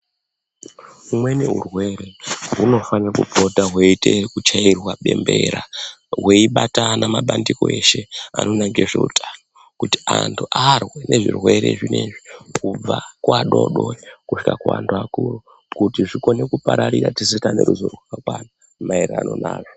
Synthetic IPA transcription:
umwe̞neɦurwe̞ɾe̞ɦuno̞fanirakub͡vo̞taɦweitʰe̞kut͡ʃairwaɓe̞mbe̞ɾaweiɓatanamaɓandiko̞ʔe̞ʃe̞a̰no̞naŋɡieʐe̞̰utʰano | kutiantʰuʔarweneʐirwe̞ɾe̞̰ʐine̞ʐikub͡vakwaɗo̞ɗo̞ekuʂi̥kakua̰ntʰuakuru | kutiʐiko̞ne̞kupaɾaɾiɾatisikane̞ɾuzorwewakwana | maeɾa̰no̞naːkḁ

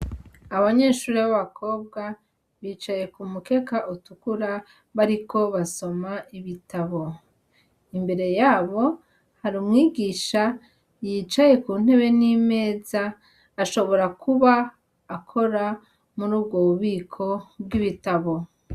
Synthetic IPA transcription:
aβaɲe̞ːʃuːɾiβaβakʰo̞ːb̚ɡa | βiːt͡ʃaje̞kumuke̞kaʔutukuɾa | βaɾiko̞βaso̞maiβitaβo̞ | imbe̞ɾe̞jaːβo̞ | haɾuːmŋiːɡiʃa | jiːt͡ʃaje̞kuːn̥he̞βe̞nime̞ːzaː | ʃo̞βo̞ɾakʰuβaː | kʰo̞ɾa | muɾuːbɡoβuβiːkʰo̞bɡiβitaβo̞

